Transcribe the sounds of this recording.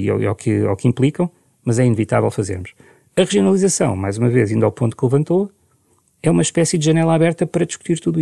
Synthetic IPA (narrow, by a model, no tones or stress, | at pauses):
ḭa̰wkʰɨa̰wkĩmplˠikɐ̃w̃ | mɐzɛinɨvit̪avɛ̰lˠfɐzḛɾmuʃ | ɐʁɨʒiunɐlˠizɐsɐ̃w̃majzumɐvezĩnd̪awpõnt̪u̥klˠɨvɐ̃nt̪o | ɛumɐʃpɛsid̪ʒɐnɛlˠɐaβɛɾt̪ɐpɐɾɐd̪iʃku̥t̪iɾt̪uðui